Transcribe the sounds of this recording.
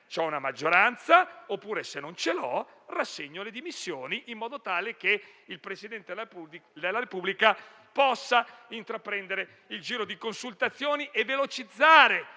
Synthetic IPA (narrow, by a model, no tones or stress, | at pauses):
t͡ʃɛunamad͡ʒːoɾant̪saopːuːɾesenːont͡ʃelɔ | rasːeɲːoled̪imisːjoːniʔimːɔːd̪ot̪aːleke | ilpɾesid̪ɛnt̪ed̪elːaɾepublika | pɔsːaint̪ɾapːɾɛnd̪eɾe | ild͡ʒiːɾod̪ikonsult̪at̪sːjoːniʔevːelot͡ʃid̪zːaːɾe